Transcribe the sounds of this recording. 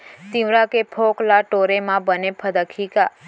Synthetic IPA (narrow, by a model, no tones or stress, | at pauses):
t̪ĩʋɾãkepʰoklaʈoɾemãbənepʰəd̪əkʰika